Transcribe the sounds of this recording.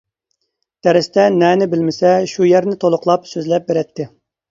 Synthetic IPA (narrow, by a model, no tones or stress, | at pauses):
d̪̥ʰæɾɪst̪ʰɛnɛnɪbɪlmɪsɛʃujɛɾnɪt̪ʰolˠʊqlˠɑpsøzlɛp̚beɾɛt̪ʰːɪ